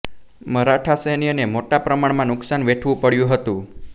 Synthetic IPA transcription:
məɾaʈʰasenijənemoʈapɾəmaɳmãnʊksanʋeʈʰʋũpəɽjũɦət̪ũ

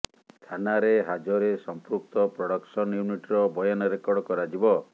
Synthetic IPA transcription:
t̪ʰanaɾeɦad͡ʒɔɾesɔmpɾuk̚t̪ɔpɾɔɽɔksɔnjuniʈɾɔbɔjɔnɔɾekɔɽɔkɔɾad͡ʒibɔ

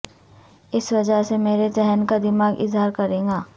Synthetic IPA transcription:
ɪsʋɐd͡ʒəɦsemeːɾet͡ʃɛɦənkad̪ɪmaːɡɪ̰zɦaːɾkɐɾẽːŋɡaː

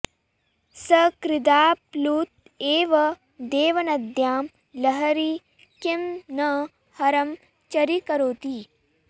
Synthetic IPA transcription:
sɐkɾɪd̪aːpluːt̪̚ | eːʋɐ | d̪eːʋɐnɐd̪jaːm | lɐɦɐɾi | kemnɐ | hɐɾɐm | t͡ʃɐɾikɐɾoːt̪i

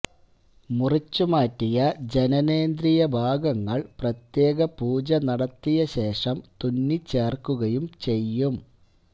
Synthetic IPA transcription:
murit͡ɕːumaːtːijɐd͡ʑenɐne̞ːnd̪ɾijɐbʱaːɡɐŋːɐɭprɐt̪je̞ːɣɐpuːd͡ʑɐnɐɽɐt̪ːijɐɕe̞ːʂɐmt̪unːit͡ɕːe̞ːrkuɣɐjumt͡ɕe̞jːum

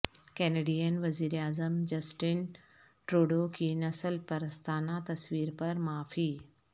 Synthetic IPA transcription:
kɛːneːɖiːjənʋɐziːɾaːzəmd͡ʑɐsʈɪn | ʈɾoːɖokʰiːnɐsəlpɐɾəst̪ʰaːnat̪ɐsʋiːɾpɐɾmaːfiː

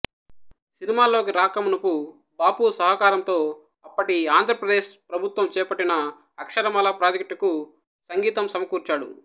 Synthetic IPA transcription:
sinimaːlo̞ːkiɾaːkɐmunɐpu | baːpuːsɐɦɐkaːɾɐmt̪o̞ː | ɐpːɐʈiaːnd̪ʱɾɐpɾɐd̪eːʃpɾɐbʱut̪ʋɐmt͡ʃɛːpɐʈːinɐ | ɐkʂɐɾɐmɐːlɐpɾaːd͡ʒɐk̚ʈiku | sɐŋɡiːt̪ɐmsɐmɐkuːɾt͡ʃaːɽṵ

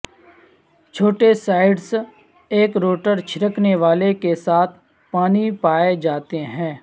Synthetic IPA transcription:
t͡ʃʰoːʈesaːɪɖs | eːkɾoːʈəɾt͡ʃʰɪɾəkneʋaːlekesaːt̪ʰ | paːnipaːed͡ʒaːt̪eɦɛ̃ː

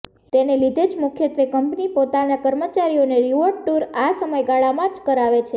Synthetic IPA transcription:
t̪enelid̪ʱed͡ʒmukʰjət̪ʋekəmpnipot̪anakəɾmət͡ʃaɾioneɾiʋoɖ̚ʈuɾasəməjɡaɭamãd͡ʒkəɾaʋet͡ʃʰe

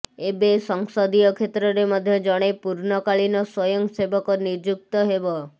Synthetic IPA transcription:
ebesɔŋsɔd̪ijɔkʰet̪ɾɔɾemɔd̪ʱjɔd͡ʒɔɽ̃epuɾnɔkaɭinɔswɔjɔŋsebɔkɔniɾd͡ʒuk̚t̪ɔɦebɔ

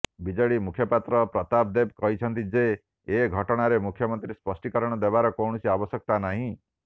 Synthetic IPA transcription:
bid͡ʒɔɽimukʰjɔpat̪ɾɔpɾɔt̪ab̚d̪ebkɔɦit͡ʃʰɔnt̪id͡ʒeː | ɡʱɔʈɔɽ̃aɾemukʰjɔmɔnt̪ɾispɔsʈikɔɾɔɽ̃ɔd̪ebaɾɔkɔwɳ̃ɔsiabɔsjɔk̚t̪anaɦĩ

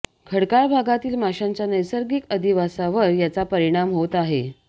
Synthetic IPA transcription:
kʰəɽkaɭbʱaɡat̪iːlmaɕaɲt͡ɕjanəjsəɾɡikəd̪ʱiʋasaʋəɾjat͡sapəɾiɽ̃amɦot̪aɦe

